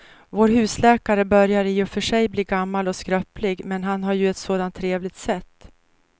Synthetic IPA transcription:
voːɾɦʉ̟ːslɛːkaɾəbœɾjaɾɪjɵfœʂɛjbliːɡamːalɔskɾœplɪɡmɛnɦanɦaɾjɵɛt̪soːd̪ant̪ʰːɾeːvlɪɡt̪sɛt̪ː

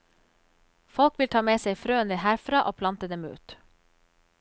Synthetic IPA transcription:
fɔlkʋɪlt̪ʰɑːmeːseɪfɾøːənd̪ɪhæːɾfɾɑːʔoːpʰlɑnt̪əd̪ɛmʉ̰ːt̪

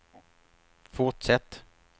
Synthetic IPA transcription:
fʊʈʂɛt̪ː

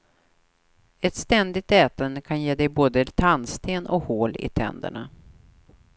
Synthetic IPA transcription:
ɛt̪st̪ɛnd̪ɪɡ̚t̪ɛːt̪ənd̪əkʰanjeːd̪ɛjboːd̪ət̪ʰanst̪ʰeːnʔɔ̰khoːlɪ̰t̪ʰɛ̰nd̪ə̰ɳa

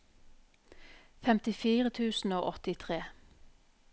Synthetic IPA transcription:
fɛmt̪ɪfiːʁət̪ʰʉːsn̩oːʔɔt̪ɪt̪ʰʁeː

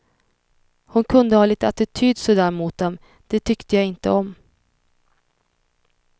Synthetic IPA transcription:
hʊnkʰɵnd̪əhɑːliːt̪əat̪ɪt̪ʰyːd̪sɔd̪æːɾmuːt̪̚d̪ɛm | d̪̥ɛt̪ʰʏkt̪əjɑɪnt̪əɔm

